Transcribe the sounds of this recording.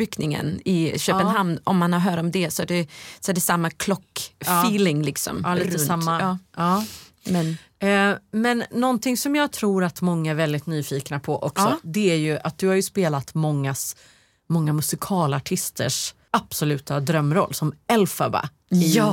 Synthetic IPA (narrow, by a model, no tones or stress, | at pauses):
ɾʏknɪŋə̰nɪɕøːpənɦamd̪ɔmːanhaɾɦœːɾaɔmd̪ɛsɔæɖɛsɔæɖɛsamːakʰlɔkːfiːlɪŋlɪksɔ̰miəsamːaɑː | mɛ | mɛnːɔnt̪ɪŋsɔmjɑːɡ̚t̪ʰɾuːɾat̪mɔŋːaæɾvɛld̪ɪt̪nyːfiːknapʰɔʔɔksɔd̪ɛæɾjɵʔat̪̚d̪ɵhaɾjɵspeːlat̪mɔŋːas | mɔŋːamɵsɪkʰɑːlaʈʰɪst̪ʰə̰ʂ | ab̥sɔlʉ̟ːt̪ad̪ɾœmːɾɔ̰lːsɔmɛlfaba̰ | ɪ